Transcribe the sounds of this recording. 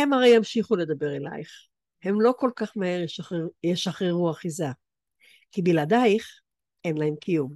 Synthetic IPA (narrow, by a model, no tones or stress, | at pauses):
emaʁejamʃiχule̞d̪abeʁela̰jχ | he̞mlo̞ko̞lkaχmaeʁjeʃaχʁeʁuaχiza | kibilad̪ajχ | e̞nlae̞mkʰijum